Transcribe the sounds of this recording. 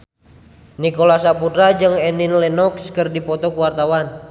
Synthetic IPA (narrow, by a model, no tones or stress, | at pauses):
nikolasapudɾad͡ʒɨŋɛninlɛnɔkskɨrdipɔt̪ɔkuwart̪awan